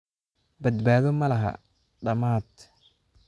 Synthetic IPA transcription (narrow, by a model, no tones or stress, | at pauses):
bɐd̪baːðɔmɐlɐɦɐ̰ | ɖɐmaːd̪